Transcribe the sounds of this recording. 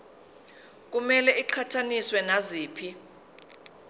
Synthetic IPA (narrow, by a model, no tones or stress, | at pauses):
k̬umɛlɛiǃʰatʰaniswɛnaziːpʰi